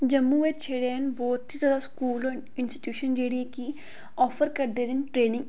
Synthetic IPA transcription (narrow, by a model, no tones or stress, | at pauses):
d͡ʒəmːuʋet͡ʃʰeːɽenbɔːt̪ɦizɔːd̪askuːlɔː | ɪnsʈi̥ʈjuːʃənd͡ʒeːɽieki | ɔːfʰəɾkəɾd̪eːɾɪnʈɾeːnɪ̃ŋɡ